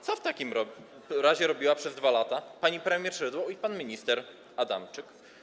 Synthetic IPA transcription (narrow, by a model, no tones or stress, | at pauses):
t̪sɔft̪akʲimɾɔ | ɾaʑɛɾɔbʲiwapʂɛzd̪valat̪apaɲipɾɛmʲjɛɾʂɾɘd̪wɔipanmʲiɲist̪ɛɾ | ad̪a̰mt͡ʂɘk